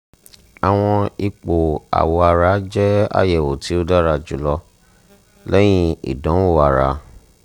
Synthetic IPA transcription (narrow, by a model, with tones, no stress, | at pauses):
a˨w̃ɔ̃˧i˧k͡po˨a̰˨wo˧a˧ɾa˦d͡ʒɛ˦a̰˦jɛ˨wo˨ti˨˦o˦da˦ɾa˧d͡ʒu˨˦lɔ˧ | lɛ˦j̃ĩ˦ḭ˨dɔ̃˨˦o˨a˨ɾa̰˨˦